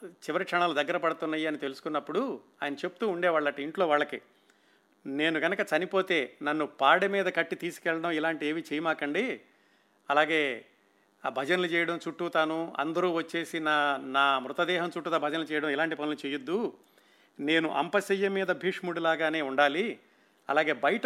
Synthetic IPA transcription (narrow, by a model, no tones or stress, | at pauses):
t͡ʃiʋɐɾikʂɐɳaːlud̪ɐɡːɐɾɐpɐɽut̪unːɐːjiɐnit̪e̞lusu̥kunːɐpːuɽuaːjɐnɐt͡ʃe̞pːu̥t̪uːɳɖɛːʋaːɭːɐʈːɐiɳʈloːʋaːɭːɐki | ne̞ːnuɡɐnɐkɐt͡ʃɐnipo̞ːt̪e̞ːnɐnːupaːɽɐmiːd̪ɐkɐʈːit̪iːsu̥kɛɭːɐɽɐmilaːɳʈieːʋit͡ʃɛjɐmaːkɐɳɖi | ɐlaːɡe̞ː | bʱɐd͡ʒɐnɐlut͡ʃɛːjɐɽɐmt͡ʃuʈːut̪ɐnuɐ̰nd̪ɐɾuːʋɐt͡ʃːe̞ːsinaːnaːmɾut̪ɐd̪ɛːɦɐmt͡ʃuʈːut̪ɐbʱɐd͡ʒɐnɐlut͡ʃɛːjɐɽɐmilaːɳʈipɐnilut͡ʃeːjud̪ːu | ne̞ːnuʔɐ̰mpɐsɐjːɐmːiːd̪ɐbʱiːʂmuɽilaːɡaːne̞ːuɳɖaːli | ɐ̰laːɡe̞ːbɐjɐʈɐ